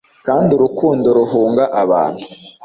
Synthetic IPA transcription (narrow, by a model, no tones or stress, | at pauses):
kaːnduɾukuːndoɾuɦuːŋɡaʔaβa̰ːn̥hu